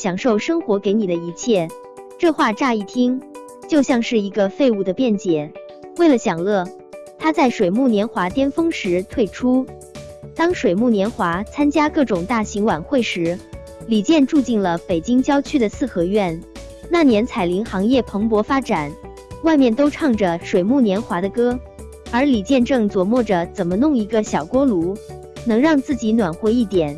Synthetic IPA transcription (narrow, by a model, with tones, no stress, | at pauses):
ɕjɑ˨˩ŋʂo˥˩ʊʂɤ˥ŋxwɔ˧˥ke˧˥ɪni˨˩d̪ə˦i˧˥t͡ɕʰjɛ˥˩ | ʈ͡ʂɤ˥˧xwa˥˧ʈ͡ʂa˥˧i˥˩t̪ʰi˥ŋ | t͡ɕjo˥˧ʊɕjɑ˥˧ŋʂɻ̩˥˩i˧˥ɡə˧fe˥˧ɪu˥˩d̪ə˩pjɛ˥˩nt͡ɕjɛ˨˩˦ | we˥˩ɪlə˩ɕjɑ˨˩ŋlɤ˥˩ | t̪ʰa˥t͡sa˥˩ɪʂwe˨˩ɪmu˥˩njɛ˧˥nxwa˧˥t̪jɛ˥nfɤ˥ŋʂɻ̩˧˥t̪ʰwe˥˩ɪʈ͡ʂʰu˥ | t̪ɑ˥ŋʂwe˨˩ɪmu˥˩njɛ˧˥nxwa˧˥t͡sʰa˥nt͡ɕja˥kɤ˥˩ʈ͡ʂʊ˨˩ŋt̪a˥˩ɕi˧˥ŋwa˨˩nxwe˥˩ɪʂɻ̩˧˥ | li˨˩t͡ɕjɛ˥˧nʈ͡ʂu˥˧t͡ɕi˥˩nlə˩pe˨˩ɪt͡ɕi˥ŋt͡ɕjɑ˥ʊt͡ɕʰy˥d̪ə˨sɹ̩˥˩xɤ˧˥ɥɛ˥˩n | na˥˩njɛ˧˥nt͡sʰa˨˩ɪli˧˥ŋxɑ˧˥ŋjɛ˥˩pʰɤ˧˥ŋp̬wɔ˧˥fa˥ʈ͡ʂa˨˩˦n | wa˥˧ɪmjɛ˥˩nt̪o˥ʊʈ͡ʂʰɑ˥˩ŋʈ͡ʂə˩ʂwe˨˩ɪmu˥˩njɛ˧˥nxwa˧˥d̪ə˧kɤ˥ | ə˞˧˥li˨˩t͡ɕjɛ˥˧nʈ͡ʂɤ˥˩ŋt͡swɔ˨˩mwɔ˥˩ʈ͡ʂə˩t͡sə˨˩nmə˦nʊ˥˩ŋi˧˥ɡə˧ɕjɑ˨˩ʊkwɔ˥lu˧˥ | nɤ˧˥ŋɻɑ˥˧ŋt͡sɹ̩˥˩t͡ɕi˧˥nwa˨˩nxwɛ˧˥˧i˥˩t̪jɛ˨˩˦n